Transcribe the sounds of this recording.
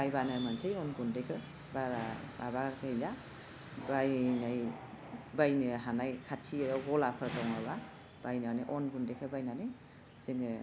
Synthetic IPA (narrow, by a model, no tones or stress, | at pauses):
bajbanamansʰɯjɔnɡundekʰɯ | baɾabaβakajla | bajnaj | bajnɯɦanajkʰat͡ʃʰijɔɡɔlapʰɯɾtɔŋaβa | bajnanɯʔɔnɡundekʰɯbajnanɯ | ziŋɯ